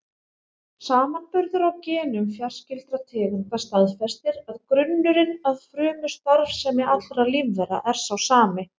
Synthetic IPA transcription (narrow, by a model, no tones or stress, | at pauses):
saːmanpʏɾðʏɾawcɛːnʏmfjar̥scɪlt̪ɾat̪ʰɛːɣʏmk̪ast̪aðfɛst̪ɪɾaðkɾʏnːʏɾɪnaðfɾʏːmʏst̪aɾvsɛmɛat̪lɾalivðɛɾa̰ʔɛɾ̥sawsaːmɪ